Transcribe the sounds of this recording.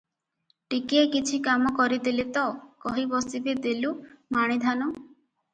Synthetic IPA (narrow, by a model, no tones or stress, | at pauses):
ʈikiekit͡ʃʰikamɔkɔɾid̪ilet̪ɔkɔɦibɔsibed̪elumaɽ̃id̪ʱanɔ